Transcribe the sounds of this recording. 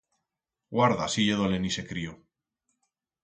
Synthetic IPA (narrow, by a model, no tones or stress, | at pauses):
ɡwaɾða̰siʎeðolenise̞kɾio